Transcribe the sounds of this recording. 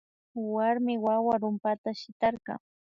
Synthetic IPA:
waɾmɪwawaɾʊmpat̪aʃɪt̪ɑɾɢɑ̰ŋ

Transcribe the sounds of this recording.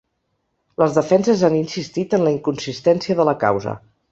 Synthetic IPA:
ləzðəfɛnsəzaninsist̪it̪ənləiŋkunsist̪ɛnsiəðələka̰wzə̰

